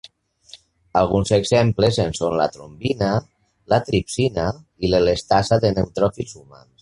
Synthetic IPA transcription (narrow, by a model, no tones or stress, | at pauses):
alˠɣunzeɡzemplezensonla̰t̪ɾombina | lat̪ɾipsina | iləlest̪asaðenewt̪ɾɔfilˠzuma̰ns